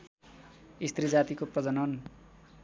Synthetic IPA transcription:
ist̪rid͡zat̪ikoprʌd͡zʌnʌn

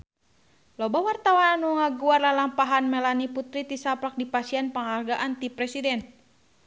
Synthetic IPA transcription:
lɔbawart̪awananuŋaɡuarlalaŋpaɦanmɛlaniput̪ɾit̪isapɾak̚dipasianpəŋɦarɡaʔant̪ipɾɛsidɛn

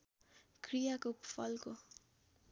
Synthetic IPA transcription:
krijakopʰʌlko

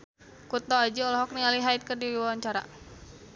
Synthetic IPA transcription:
kut̪ɔad͡ʒiɔlɔɦɔk̚nialiɦait̪̚kərdiɾiwawaɲt͡ʃaɾa̰

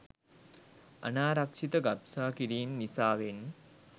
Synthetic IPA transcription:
ɐ̰naːɾɐkʂit̪ɐɡɐpsaːkiɾiːmnisaːʋen

